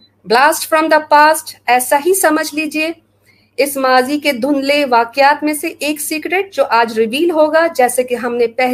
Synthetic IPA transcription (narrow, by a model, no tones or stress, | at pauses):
blaːsʈfɾɔ̃md̪əpaːsʈɛːsaɦisɐməd͡ʒʱliːd͡ʒie | ɪsmaːziked̪ʱʊnleʋaːkjaːt̪mẽseʔeːksiːkɾeʈ̚d͡ʒoːʔaːd͡ʒɾɪʋiːlɦoːɡad͡ʒɛːsekiɦɐmnepɛɦ